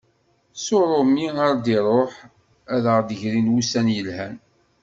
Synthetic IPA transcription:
sʊɾˤʊmiaɾd̪iɾˤoħ | æðəʁd̪əʝɾinwusænjəlhæn

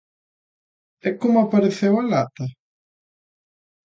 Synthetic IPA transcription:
ɛkomʊapaɾeθewalat̪ɐ

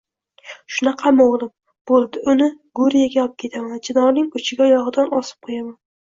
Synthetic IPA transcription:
ʃʊnɑqʰɑmowlˠɪm | b̥olˠd̪ɪʔʊnɪ | ɡʊɾijaɡʲap̚kʲʰe̞t̪ʰamand͡ʒɪnɒɾnɪŋʊt͡ʃʰɪɡʲajɒʁɨd̪anɒsɪ̥p̚qʰojaman

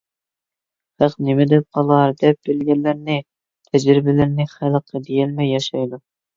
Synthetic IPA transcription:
hæqnɪmɪd̪ɛp̚qʰɑlˠɑɾd̪ɛp̚bɪlɡʲɛlːɪɾnɪ | t̪ʰɛd͡ʒɾɪbɪlɪɾnɪχælˠəqʰːəd̪ejɛlmɛjɑʃɑjd̪u

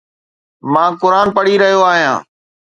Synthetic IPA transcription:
mãːkʊɾaːnpəɽiɾɐɦijoaːɦijã̰ː

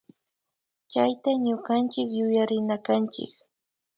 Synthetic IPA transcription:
t͡ʃajt̪aɲʊɢant͡ʃɪkjʊjaɾɪnakant͡ʃɪ̰k

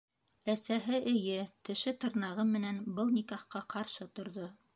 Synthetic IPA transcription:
æsæɦɘʔɘ̆jɘt̪ɘ̆ʃɘt̪ɤ̆ɾnɑʁɤmɘ̆nænbɤlˠnikɑχqɑqɑɾʃɤt̪ŏɾðo

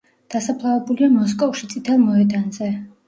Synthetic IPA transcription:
d̪̥asapʰlˠavɛbuliamɔs̬kʼɔfʃit̪sʼit̪ʰɛlˠmɔɛd̪anzɛ

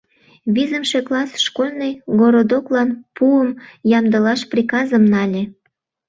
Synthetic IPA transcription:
βizəmʃeklɑsʃkolʲnəjɡoɾod̪oklɑnpuəmjɑmd̪əlɑʃprʲikɑzəmnɑlʲe

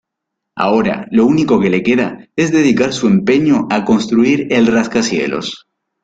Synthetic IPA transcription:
a̰o̞ɾa̰lo̞uniko̞ke̞le̞ke̞ðae̞zðe̞ð̞ikaɾsue̞mpe̞ɲo̞ʔako̞nst̪ɾuiɾe̞lraskasje̞̰lo̰s

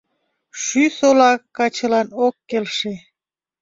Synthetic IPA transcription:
ʃysolɑkːɑt͡ɕə̆lɑnokːelʃe

